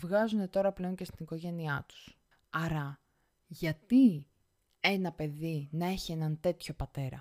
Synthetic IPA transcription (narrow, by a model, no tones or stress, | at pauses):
vɣɐzune̞t̪o̞ɾɐple̞o̞nce̞st̪iniko̞ʝe̞niɐt̪u̥s | ɐɾɐ | ʝɐt̪i | e̞nɐpe̞ðinɐe̞çie̞nɐnt̪e̞t̪ço̞pɐt̪e̞ɾɐ̰